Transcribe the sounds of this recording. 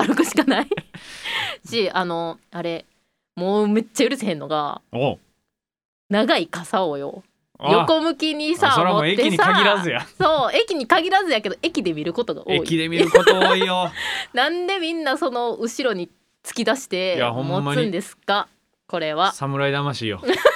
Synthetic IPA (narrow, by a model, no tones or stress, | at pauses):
aɾɯ̟kɯ̟ɕi̥kanai | ɕiano̞aɾe̞ | moːme̞t͡ɕːajɯ̟ɾɯsehẽ̞nːo̞ɡa̰ | naɡaikasaojo̞̰ | joko̞mɯ̟kʲiɲ̟isaoɾaoek̪t̪eɲiaaɡʲiɾazɨjasoːe̞kʲiɲ̟ikaɡʲiɾazɨjake̞d̪o̞ʔe̞kʲid̪e̞mʲiɾɯ̟ko̞t̪o̞ɡa̰ʔoeːikʲid̪emʲiɯkot̪ooːijonãnd̪e̞mʲĩnːaso̞no̞ɯ̟ɕiɾo̞ɲ̟i | t͡sɨ̥kʲid̪aɕi̥t̪e̞jaõmmoaɨ̃nd̪e̞sɨ̥ka | ko̞ɾe̞βasamɯ̟ɾaid̪amaɕijo̰